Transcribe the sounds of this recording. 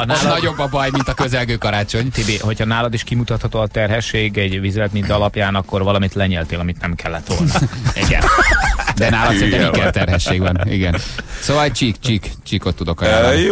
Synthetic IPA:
ɒnaːlnɒɟo̞bːɒbɒjmint̪ɒkøzɛlɡøːkɒɾaːt͡ʃo̞ɲt̪eːbeːɦo̞cʰhɒnaːlɒd̪iʃkimut̪ɒt̪hɒt̪oːɒt̪ɛrɦɛʃːeːɡɛɟvizɛlɛt̪mint̪ɒlɒpjaːnɒkːo̞rvɒlɒmit̪lɛɲɛːlt̪eːlɒmit̪nɛmkɛlːɛt̪oliʔɛ̰ɟɛ̰n | d̪ɛnaːlɒt̪sɛnɛmikɛt̪ɛrɦɛʃeːɡʋɒnḭɡɛnsoːvɒlt͡ʃikt͡ʃikt͡ʃikot̪ːud̪o̞kɒj

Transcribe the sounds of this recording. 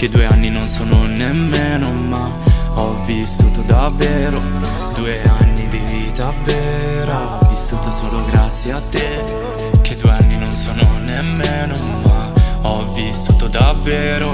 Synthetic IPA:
k̟ed̪ueanːinonsoːnonemːeːno | ma | ɔvisuːt̪od̪avːɛːɾo | d̪uːeanːid̪i | t̪avːɛː | ɾa | visːuːt̪asoːloɡɾat̪sːjeat̪ːe | k̟ʰed̪ːuːeanːinonsoːnonemːeːno | maɔvːisuːt̪od̪avːɛːɾo

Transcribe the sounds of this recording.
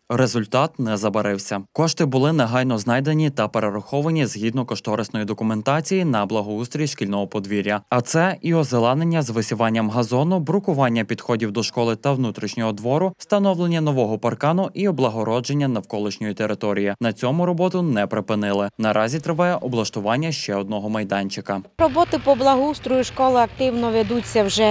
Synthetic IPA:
ɾezʊlʲt̪ɑt̪nɛzɐbɐɾɪwsʲɐkɔʃt̪ɪbʊlˠɪneɦɑjnɔznɑjd̪enʲit̪ɐpeɾeɾɐxɔʋɐnʲizɦʲid̪nɔkɔʃt̪ɔɾesnɔjid̪ɔkʊment̪ɑt͡sʲijinɐblˠɐɦɔust̪ɾʲiiʃkʲilʲnɔɦɔpɔd̪ʋʲiɾʲːɐɐt̪sɛiɔzelˠɑnenʲːɐzʋɪsʲiʋɑnʲːɐmɦɐzɔnʊbɾʊkʊʋɑnʲːɐpʲid̪xɔdʲiwd̪ɔʃkɔlˠɪt̪ɐwnut̪ɾʲiʃnʲɔɦɔd̪ʋɔɾʊst̪ɐnɔwlˠenʲːɐnɔʋɔɦɔpɐrkɑnʊʔiɔblˠɐɦɔɾɔd͡ʒenʲːɐnɐwkɔlˠɪʃnʲɔjʊt̪eɾɪt̪ɔɾʲijinɐt͡sʲɔmʊɾɔbɔt̪ʊnɛpɾepɪnɪlˠɪnɐɾʔɑzʲit̪ɾɪʋɑjɛʔɔblˠɐʃt̪ʊʋɑnʲːɐʃt͡ʃɛɔd̪̚nɔɦɔmɐjd̪ɑnʲt͡ʃɪkɐɾɔbɔt̪ɪpɔblˠɐɦɔust̪ɾʊjʊʃkɔlˠɪɐkt̪ɪwnɔʋʲɐd̪ut͡sʲːɐwʒɛ

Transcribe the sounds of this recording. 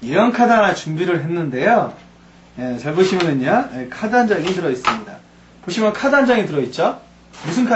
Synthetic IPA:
jejʌnkʰadanat͡ɕumbiɾɯɭɦe̞nːɯnde̞jo | je̞t͡ɕʌɭbuɕʰimɯnɯɲajekʰadand͡ʑaŋintɯɾʌis͈ɯmɲida̰ | poɕʰimjʌnkʰadand͡ʑaŋitɯɾʌit̚t͡ɕ͈o | musʰɯnkʰa

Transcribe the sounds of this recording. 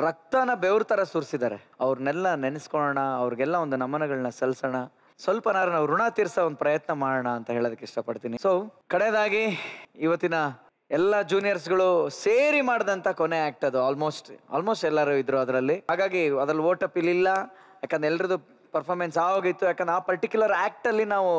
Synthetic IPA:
ɾɐk̚t̪aːnɐbeʋɾut̪ɐɾɐsuːɾsid̪aːɾe | ɐʋɾɐnɛlːɐnenɐskɔɭɔɳɐːʋɾiɡɛlːɐond̪unɐmɐnɐɡɐɭɐnɐsɐlsɐɳɐ | sʋɐlpɐnaːɾɐnaːʋɾuɳaːt̪iːɾsɐond̪upɾɐjɐt̪nɐmaːɽɐɳɐːnt̪ɐɦe̞ːɭod̪ɐkeiʂʈɐpɐɽt̪iːnisoːkɐɽed̪aːɡiiʋɐt̪ːinɐ | ɛlːɐd͡ʒuːnijɐɾs̬ɡɐɭuseːɾimaːɽd̪ɐnt̪ʰɐkɔneaːk̚ʈɐd̪uaːlmo̞ːsʈa̰ːlmoːsʈɛlːɐɾuid̪ːɾuɐd̪ɾɐlːiɦaːɡaːɡiɐd̪ɾɐlːuʋoːʈɐpːilːilːɐ | jaːkːɛnd̪ɾɛlːɐɾɐd̪u | pɐɾpʰaːɾmensaːʋoːɡit̪ːujaːkend̪ɾeaːpɐɾʈikjulɐɾaːk̚ʈɐlːinaːʋu

